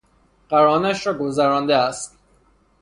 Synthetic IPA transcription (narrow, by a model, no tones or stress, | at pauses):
ɢ̥æɾɒːnæʃɾɒːɡo̞zæɾɒːnd̪eæst̪